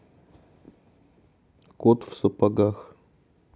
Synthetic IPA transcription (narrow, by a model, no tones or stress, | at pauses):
kot̪fsɐpaɡax